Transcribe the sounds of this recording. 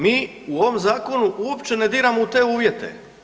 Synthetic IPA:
miː | uoʋomzaːko̞nuʔuopt͡ʃe̞ned̪iːɾamout̪e̞ːuːʋje̞t̪ḛ

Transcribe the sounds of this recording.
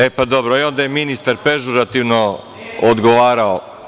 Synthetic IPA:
epad̪o̞bɾoio̞nd̪ajeminist̪aɾpe̞ʒuɾat̪iʋno | od̪ɡoʋaːɾao

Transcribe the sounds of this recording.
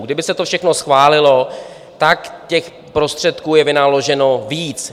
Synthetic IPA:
ɡdɪbɪsɛt̪ofʃɛxnosxvaːlɪlo̞ | t̪akcɛx | pɾo̞st̪r̥ɛt̪kuːjɛvɪnalo̞ʒɛno̞viːt͡s

